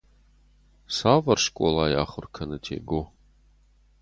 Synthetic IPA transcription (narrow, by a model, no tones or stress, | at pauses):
saːvɐrʂkʷʼɔ̰laːjaːχʷʊrkʰɐnɨtʰḛːɡo